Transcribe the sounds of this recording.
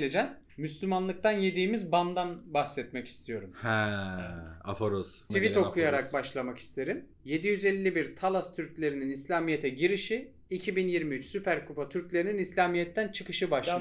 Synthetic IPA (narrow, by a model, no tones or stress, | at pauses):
led͡ʒæn | myslʲymanlˠɯk̚t̪ʰanje̞d̪iːmizband̪anbaxsɛt̪mɛci̥st̪ʰijo̞ɾumhɛ | a̰foɾost̪ʰivit̪o̞kʰujaɾak̚baʃlˠamaki̥st̪ʰe̞ɾim | je̞d̪ijyzelʲːibiɾt̪ʰalˠast̪ʰyɾclʲe̞ɾininislʲaːmijet̪ʰɛɟiɾiʃi | icʰibinjiɾmiyt͡ʃsypʰæɾkʰupʰat̪ʰyɾclʲe̞ɾininislʲaːmijɛt̪ʰːænt͡ʃʰɯkɯʃɯbaʃ